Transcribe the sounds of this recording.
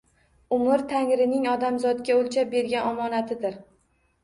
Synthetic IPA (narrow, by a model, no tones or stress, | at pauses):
ʊmʊɾt̪ʰaŋɾɪnɪŋɒd̪amzɒt̪ɡʲaolʲˠt͡ʃʰap̚be̞ɾɡʲanɒmɒnat̪ʰɪd̪ɪɾ